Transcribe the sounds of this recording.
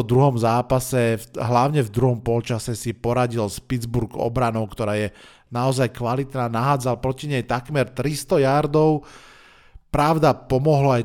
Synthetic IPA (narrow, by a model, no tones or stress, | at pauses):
d̪ɾuɦɔmzaːpasɛfɦlaʊɲɛvd̪ɾuɦɔmpɔlt͡ʃasɛsipɔɾaɟilspid͡zbuɾɡɔ̰bɾanɔʊkt̪ɔɾaːjɛ | naɔzajkʋalit̪naːnaɦaːd͡zalpɾɔciɲɛjt̪akmɛɾt̪ɾist̪ɔjaɾd̪ɔʊ | pɾaʊd̪apɔmɔɦlɔaj